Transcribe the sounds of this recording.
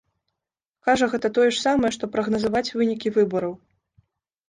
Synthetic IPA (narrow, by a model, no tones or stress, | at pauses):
kaʐɐɣɛt̪ɐt̪ɔjɛʂsamɐjɛʂt̪ɔpɾɐɣnɐzɐvat͡sʲvɨnʲikʲivɨbɐɾɐw